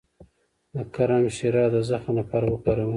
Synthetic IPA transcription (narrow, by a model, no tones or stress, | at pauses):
d̪əkaɾamʃiɾɑd̪əzaxanapaɾwəkaɾəw